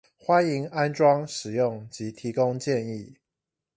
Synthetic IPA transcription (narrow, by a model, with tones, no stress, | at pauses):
xwa˦ni˧˥ŋa˦nʈ͡ʂwɑ˥ŋʂɻ̩˨˩jʊ˥˨˩ŋt͡ɕi˨˦t̪ʰi˨˦ko˦ŋt͡ɕjɛ˥˨ni˥˨